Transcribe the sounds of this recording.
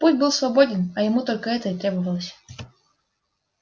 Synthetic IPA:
pusʲtʲbɨlˠsvɐbodʲɪnɐjɪmut̪o̞lʲkəɛt̪əɪt̪ɾʲebəvəlˠəsʲ

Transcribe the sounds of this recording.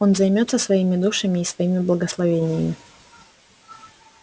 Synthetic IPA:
o̞nzɐjmʲo̞t̪səsvɐimʲɪd̪uʂɨmʲɪːsvɐimʲɪblˠəɡəslˠɐvʲenʲɪjəmʲɪ

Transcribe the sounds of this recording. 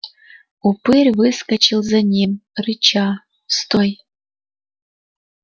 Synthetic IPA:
upɨrʲvɨskɐt͡ʃʰilˠzɐnʲimrɨt͡ʃʰa | st̪oj

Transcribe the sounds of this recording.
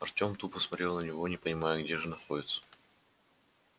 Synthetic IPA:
ɐrtʲo̞mt̪upəsmɐtʲɾʲe̞lˠnənʲɪvonʲɪpənʲɪmajəɡdʲe̞ʐɨnɐxodʲɪt̪sə̥

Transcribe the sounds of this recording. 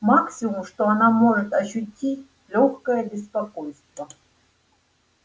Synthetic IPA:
maksʲɪmʊmʂt̪oanamoʐɨt̪ɐɕʊtʲːitʲ | lʲoxkɐjəbʲɪspakojst̪vɐ

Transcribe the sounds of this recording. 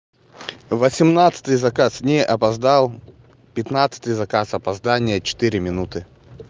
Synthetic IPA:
vɐsʲɪmnat̪sɨ̥t̪ɨjzɐkasnʲɛʔɐpɐzd̪alˠ | pʲɪt̪nat̪sə̥t̪ɨjzɐkasɐpɐzd̪anʲɪjət͡ɕɪ̥t̪ɨɾʲɪmʲɪnut̪ɨ

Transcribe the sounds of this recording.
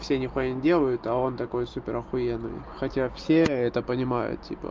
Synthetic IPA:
fsʲenʲɪxʊenʲɪdʲe̞lˠəjʊt̪ɐo̞nt̪ɐko̞jsupʲɪɾəxʊjenːɨ̰jxɐtʲafsʲeɛt̪əpənʲɪmajʊ̰t̪tʲḭpə̰

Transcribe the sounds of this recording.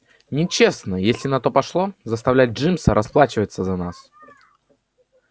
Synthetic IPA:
nʲɪt͡ɕesnəjesʲlʲɪnɐt̪o̞pɐʂlˠozəst̪ɐvlʲæt̚ʲʐɨmsəɾʔɐsplˠat͡ɕɪvət̪səzɐnas

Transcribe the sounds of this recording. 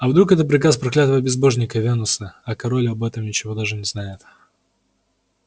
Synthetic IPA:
ɐvd̪ɾukɛt̪ət̪̚pɾʲɪkaspɾɐklʲat̪əvəbʲɪzbo̞ʐnʲɪkəvʲenʊsəɐkɐɾolʲɪɐbɛt̪əmnʲɪt͡ɕɪvo̞d̪aʐɨnʲɪznajɪt̪

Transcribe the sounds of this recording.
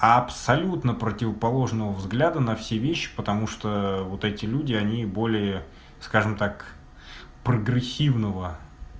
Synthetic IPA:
ɐpsɐlʲut̪nəpɾətʲɪvəpɐlˠo̞ʐnəvəvzɡlʲad̪ənɐfsʲevʲeɕːɪ̥pət̪ɐmuʂt̪ovot̪ɛtʲɪlʲudʲɪɐnʲibo̞lʲɪjə | skaʐɨmt̪ak | pɾəɡɾʲɪsʲːivnəvə

